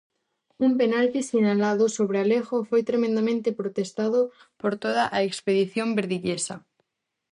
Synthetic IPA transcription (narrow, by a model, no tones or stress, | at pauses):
umpenalt̪isinalaðosoβ̞ɾealeɣofojt̪ɾemẽnd̪amẽnt̪epɾot̪est̪aðo | poɾt̪oð̞aʔaekspeðiθjombeɾðiʎesa